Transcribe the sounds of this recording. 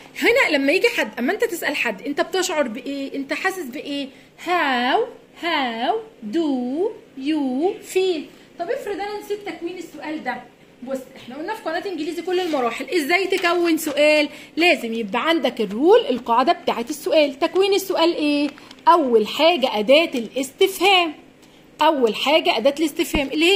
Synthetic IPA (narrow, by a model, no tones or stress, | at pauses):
henælæmːæjiːɡiħad̪ːʔæmːæʔent̪æt̪esʔælħad̪ːʔent̪æb̚t̪eʃʕoɾˤbeʔeːʔent̪æħaːsːesbeʔeː | hæw | hæwd̪uːjuːfiːl | t̪ˤɑbjefɾed̪ʔænænsiːt̪ːækwiːnesːoʔæːld̪æ | bosːʔeħnæʔolnːæfi̥kwælæːt̪ʔenɡeliːzikolːelmɑɾˤɑːħelʔezːæjt̪ekæwːensoʔæːlːæːzemjebʔæʕand̪ækerːuːlʔelqɑːʕed̪æbet̪aːʕet̪esːoʔæːlt̪ækwiːnesːoʔæːlʔeːʔæwːælħaːɡæʔæd̪æːt̪elʔest̪efhæːm | ʔæwːælħaːɡæʔæd̪æːt̪elest̪efhæːmʔelːihe